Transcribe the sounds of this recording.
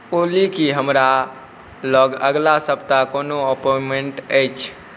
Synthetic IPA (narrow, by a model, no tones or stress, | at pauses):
olikiɦəmɾa | lɔɡəɡlasəb̚t̪akonoəpomeɳʈəjt͡ʃʰ